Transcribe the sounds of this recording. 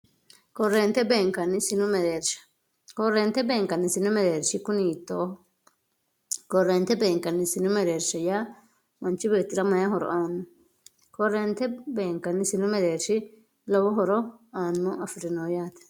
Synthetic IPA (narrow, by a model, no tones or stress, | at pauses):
kɔrːeːnt̪ɛbe̞ːŋkːɐnːɪsɪnʊmɛɾeːɾʃɐ̥ | kɔrːeːnt̪ːɛbe̞ːŋkːɐnːɪsɪnʊmɛɾeːɾʃɪkʊniːt̪ːoːh | kɔrːeːnt̪ɛbe̞ːŋkːɐnːɪsɪnʊmɛɾeːɾʃɐjaː | mɐnt͡ʃːɪbeːt̪ːɪɾɐmɐjɐhɔɾɔ̰ʔaːnːʊ | kɔɾːeːnt̪ɛbe̞ːŋkːɐnːɪsɪnʊmɛɾeːɾʃɪ | lɔwɔɦɔɾɔaːnːʊɐfɪɾɪnoːjaːt̪ɛ̥